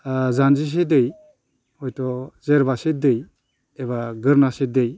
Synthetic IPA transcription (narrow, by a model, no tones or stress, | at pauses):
zanzis̬edɯj | hɔjtɔzeɾbasedɯj | eβaɡɯɾnasedɯj